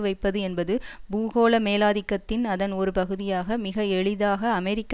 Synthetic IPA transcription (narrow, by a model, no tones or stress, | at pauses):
ʋɐɪpːɐðɯɛnbɐðɯbuːɣoːlɐmeːlaːðɪkːɐt̪ːɪnɐðɐnɔɾɯpɐɣɯðɪjaːɣɐmɪɣɐɛɭɪðaːɣɐːmɛɾɪkː